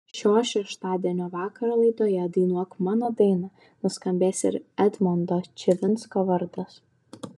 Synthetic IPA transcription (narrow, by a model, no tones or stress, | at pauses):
ʃʲoːʃʲɛʃt̪ɑːd̪ʲiɛnʲoːʋɑːkɐɾɐlˠɐɪd̪oːjɛd̪ɐɪnuɔkmɑːnɐd̪ɐɪnɐ | nʊskɐmʲbʲeːsɪ̰ɾɛd̪mɔnd̪oːt͡ʃʲɛʋʲɪnskɐʋɐɾd̪ɐs